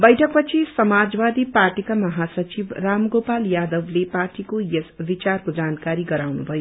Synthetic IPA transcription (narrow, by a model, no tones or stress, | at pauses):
bʌjʈʰʌk̚pʌt͡sʰisʌmad͡zwad̪iparʈikamʌɦasʌt͡sibramɡopaljad̪ʌbleparʈikojesbit͡sarkod͡zankaɾiɡʌɾawnubʱʌjo